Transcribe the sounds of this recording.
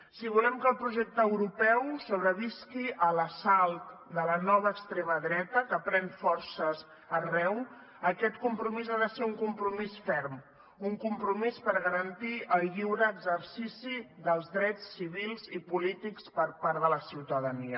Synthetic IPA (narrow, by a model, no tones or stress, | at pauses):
siβ̞ulɛmkəlˠpɾuʒɛk̚t̪əwɾupɛwsoβ̞ɾəβiskiʔələsalˠt̪d̪ələnɔβ̞əːkst̪ɾeməðɾɛt̪əkəpɾɛnfɔɾsəz | ərɛw | əkɛt̪kumpɾumizaðəseuŋkumpɾumisfɛɾm | uŋkumpɾumispəɾɣəɾənt̪iʔəʎiwɾəːɡzəɾsisiðəlˠzðɾɛt͡sːiβ̞ilˠzipulit̪ikspəɾpaɾðələsiwt̪əðəniə